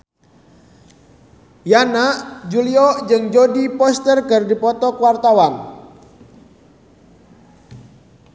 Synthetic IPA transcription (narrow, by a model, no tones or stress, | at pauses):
janad͡ʒuliɔd͡ʒɨŋd͡ʒodipɔst̪ərkɨrdipɔt̪ɔkuwart̪awaŋ